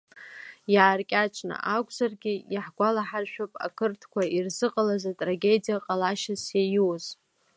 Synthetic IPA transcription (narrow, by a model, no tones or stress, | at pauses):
jaːrkʲʼat͡ʃʷʰʼna̰ʔakʷʰʼzarɡʲɪjaħɡʷalaħarʃᶣopʼa̰kʰɨrtʰkʷʰairzɨqʼalazatʼraɡʲe̞dijaqʼalaʃasjajwoz̥